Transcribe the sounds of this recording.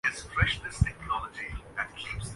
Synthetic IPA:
ɨz̥fɹɛʃðɪstʰɛk̚nɔləd͡ʒiðɨt̚kʰipsð

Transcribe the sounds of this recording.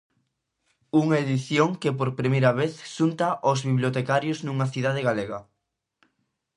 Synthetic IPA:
uŋaeðiθjoŋkepoɾpɾimejɾɐβeθʃunt̪aʔozβiβljot̪ekaɾjoznuŋɐθiðað̞eɣaleɣɐ

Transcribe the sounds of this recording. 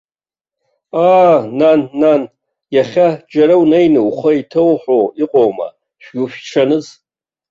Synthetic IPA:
aːnanːan | jaχʲad͡ʒaɾawnejnɨwχʷaitʰɨwħʷowiqʼowma̰ | ʃᶣɡʲufʈ͡ʂʰanɨz

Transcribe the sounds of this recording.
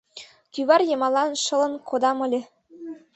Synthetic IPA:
kyβɑrjɤmɑlˠɑnʃɤ̆lɤ̆nkʰod̪ɑmɤ̆lʲĕ

